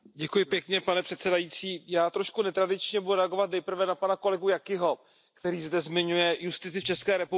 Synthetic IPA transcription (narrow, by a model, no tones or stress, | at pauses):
ɟɛkujɪpjɛkɲɛpanɛpr̥ɛt̪sɛdajit͡siːjaːt̪ɾo̞ʃkunɛt̪ɾadɪt͡ʃɲɛbuduɾɛaɡo̞vat̪̚nɛjpr̩vɛnapanako̞lɛɡujakɪɦo̞ | kt̪ɛɾiːzdɛzmɪɲujɛjust̪ɪt͡sɪft͡ʃɛskɛːɾɛpu